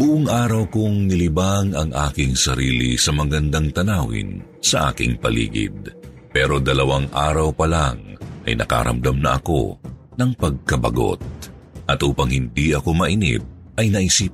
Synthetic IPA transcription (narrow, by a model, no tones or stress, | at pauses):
bʊʔʊŋʔaːɾɐwkʊŋnɪlɪbaŋɐŋʔaːkɪŋsɐɾiːlḭsɐmɐɡɐnd̪ɐŋt̪ɐnaːwɪ̰n | sɐʔa̰ːkɪŋpɐlḭːɡɪ̰d̪̚ | pɛːɾo̞d̪ɐlɐwaŋʔaːɾɐwpɐlaŋʔɐ̰jnɐ̰ka̰ɾɐ̰md̪ɐmnɐʔɐ̰ko̞̰ | nɐŋpɐɡ̚kɐbɐ̰ɡo̞̰t̪̚ | ʔɐt̪ʔuːpɐŋhɪnd̪iɐko̞mɐʔɪnɪ̰p̚ | ʔɐjnɐʔɪsiːp